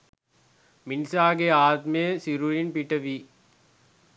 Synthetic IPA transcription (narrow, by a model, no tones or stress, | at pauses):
minsaːɡeaːt̪mesiɾuɻinpiʈːɐʋi